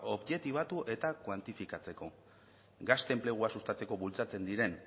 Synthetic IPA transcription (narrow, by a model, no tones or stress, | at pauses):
o̞βʝe̞t̪iβ̞at̪uʔe̞t̪akwant̪ifikat͡se̞ko̞ | ɡast̪e̞mple̞ɣ̞uasust̪at͡se̞ko̞βult͡sat͡se̞nd̪iɾe̞n